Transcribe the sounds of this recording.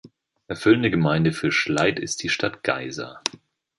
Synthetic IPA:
ʔɛɐfʏlən̩dəɡəmaɪndəfyːɐʃlaɪtɪst̚d̥iːʃtʰatɡ̥a̰ɪza̰

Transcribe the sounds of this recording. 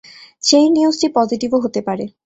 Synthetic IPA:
ʃejniusʈipɔziʈiboɦot̪epaɾe

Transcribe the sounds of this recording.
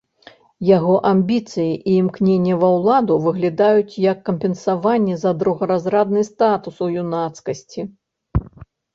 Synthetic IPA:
jaɣɔʔamʲbʲit̪sɨjiʔiːmknʲenʲːɛvɐwlˠad̪uvɨɣlʲad̪ajut͡sʲjɐkːɐmʲpʲɛnsavanʲːɛzɐd̪ɾuɣɐɾazɾad̪nɨst̪at̪usujunat̪skɐsʲt͡sʲi

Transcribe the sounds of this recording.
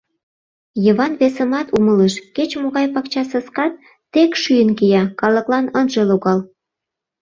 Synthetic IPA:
jəβɑnβesə̆mɑt̪umələʃket͡ɕmoɣɑjpɑkt͡ɕɑsəskɑt̪̚ː | ekʃyjənkijɑkɑlə̆klɑnənʒeloɣɑl

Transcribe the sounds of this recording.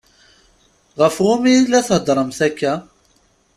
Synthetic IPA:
ʁəfʁʊmilæθhəd̪ɾˤəmθækːæ

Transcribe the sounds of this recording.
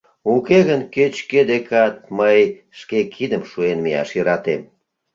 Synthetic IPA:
ukeɣənket͡ɕked̪ekɑt̪̚məj | ʃkekʰid̪əmʃuenmijɑ̰ʃjəɾɑt̪em

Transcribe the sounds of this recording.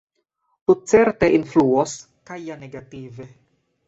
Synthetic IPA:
tut͡se̞ɾte̞ʔinfluos | kajaneɡative̞

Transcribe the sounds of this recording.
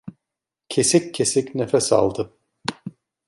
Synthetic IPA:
cʰesicʰːesicnefɛsa̰lˠd̪ɯ

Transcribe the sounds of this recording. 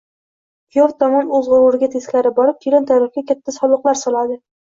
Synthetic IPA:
pʰjoft̪ʰɒmɒnozʁʊɾʊɾɪɡʲat̪ʰeskʲlaɾɪbɒɾɪp̚t̪ʰiɾant̪ʰaɾɪfɡʲakʲʰat̪ʰːasɒlˠʊqlˠaɾsɒlˠad̪ɪ

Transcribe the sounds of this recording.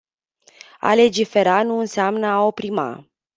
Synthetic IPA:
a̰le̞d͡ʒife̞ɾanuɨnseamnəaopɾima̰

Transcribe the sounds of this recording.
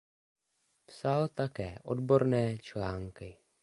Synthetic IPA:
psalt̪akɛːʔo̞̰dbo̞ɾnɛːt͡ʃlaːŋkɪ

